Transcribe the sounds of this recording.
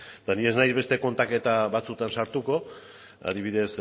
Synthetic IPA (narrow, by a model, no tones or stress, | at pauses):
t̪anie̞znajzβe̞st̪e̞ko̞nt̪ake̞t̪aβat͡sut̪ansaɾt̪uko̞ | a̰ð̞iβ̞iðe̞s